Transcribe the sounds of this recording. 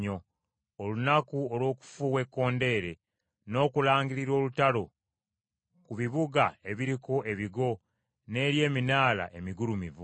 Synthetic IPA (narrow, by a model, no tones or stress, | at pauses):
o̞ | olunakuolwo̞ːku̥fuwe̞kːo̞ːnde̞ːɾe̞ | no̞ːkulaːŋɡiɾiɾo̞ːlutalo̞ | kuβiβuɡae̞βiɾiko̞ʔe̞βiɡo̞ | ne̞ːɾje̞ːminaːla̰ʔe̞miɡulumivu